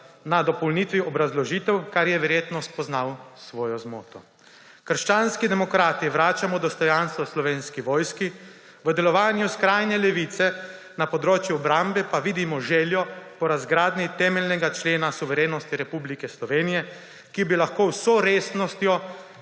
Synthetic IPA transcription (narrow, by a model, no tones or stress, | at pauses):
nad̪ɔpɔwlnit̪ʋiɔbɾazlɔʒiːt̪ɛwkaɾjɛʋɛɾjeːt̪nɔspɔznawsʋɔːjɔzmoːt̪ɔ | kəɾʃt͡ʃaːnskid̪ɛmɔkɾaːt̪iʋɾaːt͡ʃamɔd̪ɔst̪ɔjanst̪ʋɔslɔʋeːnskiʋɔːjski | ʋəd̪ɛlɔʋaːnjuskɾajnɛlɛʋit̪sɛ | napɔd̪ɾoːt͡ʃjuɔbɾambɛpaʋid̪imɔʒɛːljɔpɔɾazɡɾaːd̪nit̪ɛːmɛlʲnɛɡat͡ʃleːnasuʋɛɾeːnɔst̪iɾɛpublikɛslɔʋeːnijɛ | kibilaxkoːwsɔɾesnɔst̪jɔ